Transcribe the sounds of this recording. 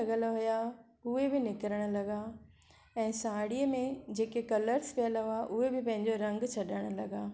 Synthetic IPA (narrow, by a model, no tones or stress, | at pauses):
ɡəlɦʊja | ʊɦebɪnɪkəɾəɽ̃̆lɐɡa | ɛ̃ːsaːɽiəmẽd͡ʑeːkekɐləɾspiələʊaʔʊɦebɪpɐ̃ɦɪ̃ɲd͡ʑoɾɐ̃ŋɡt͡ɕʰɐɗəɽ̃ʊ̆lɐɡaː